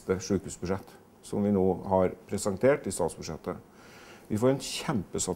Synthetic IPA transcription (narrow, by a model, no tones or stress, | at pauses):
t̪əʂʉːkhʉːsbʉʂɛt̪ː | sɔmʋɪnoːhɑɾpʰɾɛsɛŋt̪ʰeːʈɪst̪ɑːt̪sbʉʂɛt̪ːə | ʋɪfoːɾɛnçɛmpəsɑ